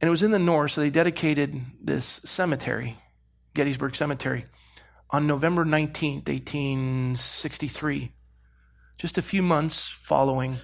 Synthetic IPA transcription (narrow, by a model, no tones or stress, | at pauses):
ɨ̃ñɨt̚wʌzɨ̃nðɨnɔɹsðeɪdɛɾɨkʰeɪɾɨd̪̚ðɪ̰sɛmɨtʰɛ̰ɹḭ | ɡ̥ɛɾizbə˞ɡ̥sɛmɨtʰɛ̰ɹi | ʔə̃n̩ːoʊvɛ̃mbə˞nãɪ̃ntʰĩnθḛɪtʰĩnsɪkstiθɹi | d̥ʒ̥ʌstɨfjʉmʌ̃nθsfɑ̰lˠoʊɪ̃ŋ